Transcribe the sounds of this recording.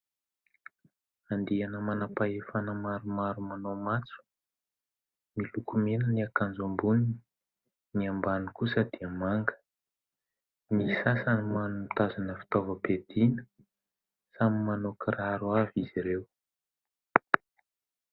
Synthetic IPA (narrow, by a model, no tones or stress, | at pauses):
and̪ianəmanapaefanəmaɾumaɾumanomat͡su̥ | milukumenəniakand͡zumbunii | niambanikusəd̪̥iəmaŋɡə̥ | misasanimanumt̪azanəfi̥t̪ovəped̪inə̥ | samimanokiraɾuaviziɾew